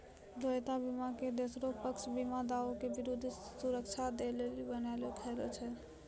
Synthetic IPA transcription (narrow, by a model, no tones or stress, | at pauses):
d̪oet̪abimaked̪osɾopəkt͡ʃʰbimad̪aokebiɾud̪ʱsuɾəkt͡ʃʰad̪elelibənalekʰɛlɛt͡ʃʰɛ